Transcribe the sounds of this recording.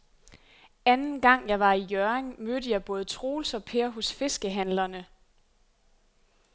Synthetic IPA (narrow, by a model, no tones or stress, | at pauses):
ænn̩ɡ̥ɑ̈ŋ̰jɑ̈ɪʋɑ̈ijœɐeŋmødəjɑ̈ɪb̥ɔ̽ːð̞ˠət͡sʰʁo̝ːlsɒ̽pʰeːɐɦɔsfe̝sɡ̥əɦænlɐnə